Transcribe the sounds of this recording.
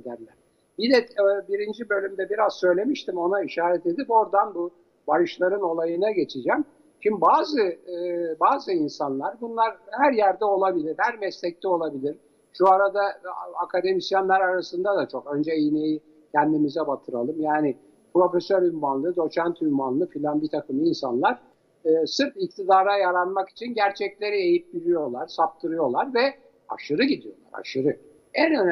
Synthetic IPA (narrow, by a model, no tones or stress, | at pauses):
ed̪æɾlʲæɾ̥ | bid̪ɛbiɾind͡ʒibø̞lʲymd̪ɛbiɾaz̥sø̞jlʲe̞miʃt̪imo̞naiʃaːɾɛt̪e̞d̪ipo̞ɾd̪anbu | baɾɯʃlˠaɾɯno̞lˠajɯnaɟe̞t͡ʃʰid͡ʒæm | t͡ʃimbaːzɯ | baːzɯinsanlˠaɾbunlˠaɾhæɾjæɾd̪ɛo̞lˠabilʲiɾhæɾmɛslʲɛc̚t̪ɛo̞lˠabilʲiɾ̥ | ʃuaɾad̪aakʰad̪e̞misjanlʲæɾaɾasɯnd̪ad̪at͡ʃʰo̞kø̞nd͡ʒɛiineji | cʲʰɛnd̪imizɛbat̪ʰɯɾalˠɯmjaːnɪ | pɾo̞fesøɾylʲmanlˠɯd̪o̞t͡ʃʰænt̪ʰylʲmanlˠɯfylʲænbit̪ʰakɯminsanlˠaɾ̥ː | sɯɾpik̚t̪ʰid̪aːɾajaɾanmaki̥t͡ʃʰinɟæɾt͡ʃʰɛclʲe̞ɾie̞jit̪̚biɾijo̞lˠaɾ̥sap̚t̪ʰɯɾɯjo̞lˠaɾvɛ | a̰ʃɯɾɯɟid̪ijo̞̰lˠa̰ɾa̰ʃɯɾɯ | ɛnøn